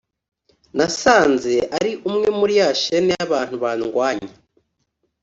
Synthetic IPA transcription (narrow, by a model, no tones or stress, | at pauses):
nasaːnzeʔaɾiʔumŋemuɾjaʃeneaβaːn̥huβaːnuŋɡwaːɲe